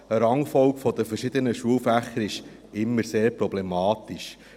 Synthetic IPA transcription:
əɾɑŋfɔlkfɔdəfərʃɪd̪ənəʃuəlfæχːəɾɪʃ | ɪmːəɾseːɾpɾɔblemɑːt̪iʃ

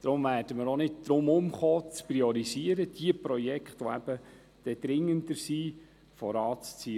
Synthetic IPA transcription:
d̪̥ɾʊmvæːrd̥əməɾonɪt̚d̥ɾʊmʊmχoːt͡spriɔɾiziəɾəd̥iəpɾɔjɛkχtʋɔæb̥ə | d̥ɛd̪̥ɾɪŋːəndəɾsiː | fɔɾɑːt͡st͡siː

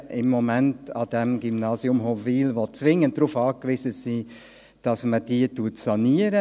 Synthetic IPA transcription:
ʔɪmːɔmɛntɑ̰d̥ɛmɡymnɑːzjʊmɦoviːlʋɔt͡sʋɪŋːənt̚dɾuːfɑːkʋizəsiː | d̥ɑsməd̥iːətuətsɑniːəɾə

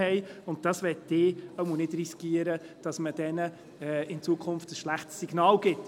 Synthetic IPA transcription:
ɛɪʊnt̚d̥ɑsʋɛtdɪːəmunɪdriskiːəɾə | d̥ɑsməd̥ɛnə | ɛɪnt͡suəkʰʊnftəsʃlæχtsːiɡ̥nɑːlɡ̥ɪt

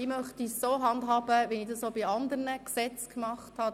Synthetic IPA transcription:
imœχtisːoːɦɑndɦɑːb̥əʋinidɑsobiɑnd̪əɾnəksɛt͡skmɑχthɑ

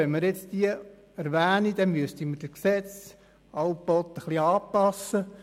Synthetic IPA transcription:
ɛnmɪɾjɛt͡sd̥iə | æɾʋæːnid̥̪ɛnmyəst̪imərd̥əksɛt͡s | ɑwb̥ɔt̪ːəχliɑːpɑsə

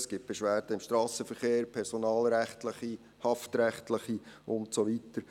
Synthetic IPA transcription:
sɡ̥ɪt̚b̥eɛʃʋæːɾd̥əɪmʃtɾɑːsəfəɾχeːɾpʰɛɾsonɑːlɾæχtləχi | hɑftɾɛχtləχiʔʊntsoʋitəɾ

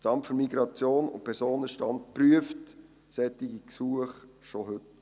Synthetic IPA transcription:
t͡sɑmtfɵɾmiɡɾɑt͡sjoːnʊ̰npʰɛɾsoːnəʃtɑntpryəft | sɛtːɪɡiksuəχʃoɦɵt

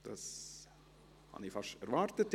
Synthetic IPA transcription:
d̪̥ɑs | hɑ̰nifɑʃæɾʋɑːɾt̪ət̪

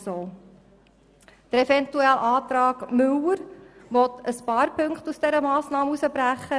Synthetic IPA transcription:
soː | d̪̥əɾɛfɛnt̪uɛlʔɑːt̪ɾɑːɡ̥mɵwəɾʋɔt̪əspɑːɾpʰɵŋkχt̪usd̥̪ɛɾəmɑːsnɑːməusəbɾæχːə

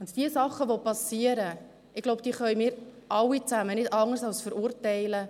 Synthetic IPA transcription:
ʊnt̪d̥iəsɑχːəʋopɑsiəɾə | ɪɡloʊb̚d̥iːχœʏmɪːɾʔɑwit͡sæmənɪdɑŋərsɑlsfəɾʊɾtɛɪlə

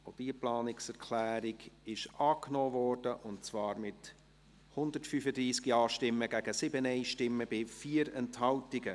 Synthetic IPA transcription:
od̥iːplɑːnɪksɛɾkʰlæːɾɪɡɪʃɑːknoːvɔːɾd̥əʔʊntt͡svɑːɾmɪt | hʊndətfyːfədɾiːskiɑːʃtɪmːəɡ̥æɡ̥əsɪbənɛɪʃtɪmːəbɪfiːəɾɛnthɑltɪɡə

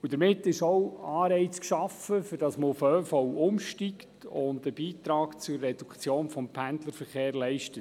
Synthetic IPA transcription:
ud̥əɾmɪtːɪʃɔʊɑːɾɛɪt͡skʃɑfəfʏɾd̥ɑsməʊføːfɔʊmʃtiktʊndəb̥iːtɾɑːkt͡sʊrːɛd̥ukt͡sjoːnfɔmpʰændləɾfəɾχeːɾlɛɪʃtət

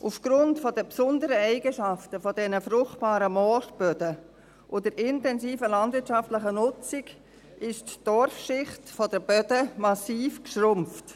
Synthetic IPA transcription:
ʔufɡ̥ɾʊntfɔdəpsʊndəɾəɛɪɡəʃaftəfɔdɛnəfɾʊχtb̥aːɾəmɔʃb̥œdə | ʔodəɾʔɪntɛnsiːfəlɑndvɪtʃɑftləχənʊt͡sɪɡ | ʔɪʃtd̥ɔɾfʃɪχtfɔdəb̥œd̥əmɑsiːfkʃrʊmft

